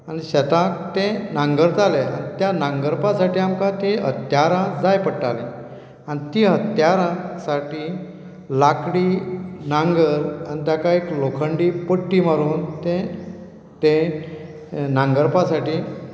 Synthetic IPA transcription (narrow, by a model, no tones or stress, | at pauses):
aniɕət̪ãkt̪ẽnãŋɡəɾt̪alea̰nit̪janãŋɡəɾpãsaʈiːamkãt̪iə̰t̪jaɾãd͡zajpəɽʈalḛ̃ | anit̪iɦət̪jaɾãsaʈiː | lakɽiːnaŋɡəɾanit̪jakaeklokʰəɳɖipəʈːiːmaɾuːnt̪ẽ | t̪ẽ | nãŋɡəɾpasaʈiː